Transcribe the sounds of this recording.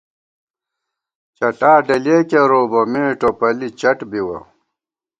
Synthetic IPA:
t͡ɕɐʈaːɖɐleːkeɾoːbomeːʈopɐlit͡ɕɐʈbiwɐ̰

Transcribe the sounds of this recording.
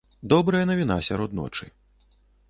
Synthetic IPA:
d̪ɔbɾɐjɐnɐvʲinasʲaɾɔd̪nɔ̰t͡ʂɨ

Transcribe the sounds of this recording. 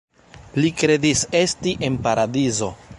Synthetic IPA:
likɾe̞dise̞stiʔe̞npaɾadizo̞

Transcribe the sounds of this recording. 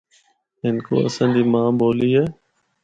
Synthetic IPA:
ɦɪnko̰ːə̰sãːɲd͡ʑiːmãːboːliːɦɛː

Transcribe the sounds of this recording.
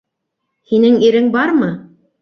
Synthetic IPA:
hinɘŋiɾɘŋbɑɾmɤ

